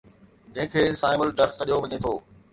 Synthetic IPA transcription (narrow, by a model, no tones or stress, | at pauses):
d͡ʑɐ̃ɦɪ̃kʰeːsaːɪməlɖɐɾtɗijoʋɐɲet̪ʰoː